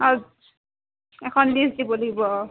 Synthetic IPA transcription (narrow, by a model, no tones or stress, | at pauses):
az | ɛkʰɔnlisdibɔlaɡibɔ